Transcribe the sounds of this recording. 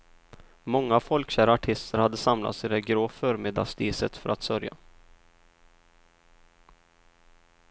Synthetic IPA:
mɔŋːafɔlkɕæːɾaʈʰɪst̪ʰəɾhad̪ːəsamla̰t̪sɪd̪ɛɡɾoːfœːɾmɪd̪a̰st̪iːsət̪fœɾʔat̪sœɾja̰

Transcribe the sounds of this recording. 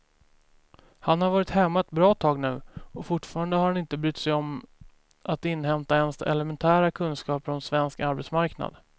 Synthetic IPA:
hanhaɾvɑːɾɪt̪hɛmːat̪̚bɾɑːt̪ʰɑːɡnʉ̟ːɔfʊʈfɑːɾand̪əhaɾhanɪnt̪əbɾʏt̪ːsɛjɔm | ʔat̪ɪnːhɛmt̪aɛnsɛ̰lɛmɛnt̪ʰæːɾakʰɵnskɑːpɾɔnsvɛnskaɾbɛt̪smaɾkna̰d̪̥

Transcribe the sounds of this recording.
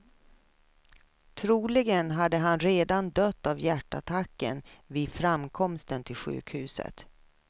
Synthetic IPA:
t̪ʰɾuːlɪɡənɦad̪ːəɦanɾeːd̪and̪œt̪ːavjæʈːa̰t̪ʰakːə̰nviːd̪fɾamkʰɔmst̪ənt̪ʰɪlɧʉ̟̰ːkhʉ̟̰ːsə̰t̪

